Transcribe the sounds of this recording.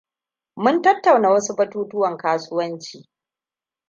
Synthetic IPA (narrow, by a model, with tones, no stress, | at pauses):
mʊ˦ntɐ˦tːa˨wnaː˨wɐ˦su˦bɐ˦tuː˦tʊ˦wɐ˨ŋkaː˦sʊ˦wɐ˦nt͡ʃiː˨